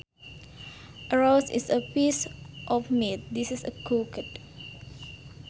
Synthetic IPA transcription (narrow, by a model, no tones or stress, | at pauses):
ʔəɹawsḭsəpisʔɔfmit̪̚disisə̰kʰokət̚